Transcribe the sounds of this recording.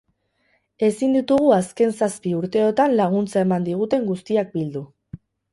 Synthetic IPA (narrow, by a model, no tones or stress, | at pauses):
e̞sind̪it̪uɣ̞uaske̞nsaspiuɾt̪e̞o̞t̪anlaɣ̞unt͡sae̞mand̪iɣ̞ut̪e̞ŋɡust̪iak̚bild̪u